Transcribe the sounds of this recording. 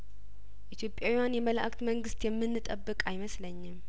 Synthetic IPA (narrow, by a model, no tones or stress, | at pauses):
ʔit̪ʰjo̞pʼːjawijanjɛmələʔakʼt̪məŋɡɨst̪jɛmːɨnːɨt̪ʼəbːɨkʼajməsləɲːɪm